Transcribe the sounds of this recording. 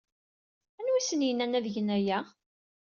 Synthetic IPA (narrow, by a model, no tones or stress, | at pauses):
ænwisənjənænæðʝənæjæ